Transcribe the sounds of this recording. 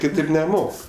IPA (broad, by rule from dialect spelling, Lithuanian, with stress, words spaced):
kʲɪˈtʲeːp nʲɛˈmoːk